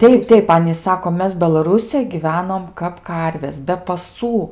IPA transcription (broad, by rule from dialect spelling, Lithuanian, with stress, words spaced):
ˈtʲɛɪp ˈtʲɛɪp ˈɑːnʲiːs ˈsɑːkoː ˈmʲɛs bʲɛlˠɐˈruːsʲɪjoːj ɡʲiːˈʋʲæːnoːm kɐp ˈkɐrʲʋʲeːs bʲɛ pɐˈsuː